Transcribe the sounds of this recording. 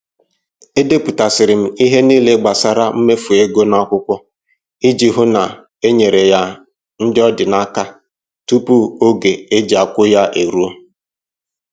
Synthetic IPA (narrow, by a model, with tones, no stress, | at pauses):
e˦de˦pu˨ta˨sɪ˨ɾɪ˨m̩˦i˦ɦe˦niː˦le˦ɡ͡ba˨sa˦ɾa˦m̩˦me˦fu˨e˦ɡo˦na˦kʷʊ˦kʷɔ˦ | i˦d͡ʒi˨ɦʊ˦na˨ | e˦ɲe˨ɾe˨ja˦ | n̩˦dɪ˦ɔ˦dɪ˨na˦ka˦ | tu˦pu˦o˦ɡe˨e˦d͡ʒa˨kʷʊ˦ja˦ʔe˨ɾu˦o˦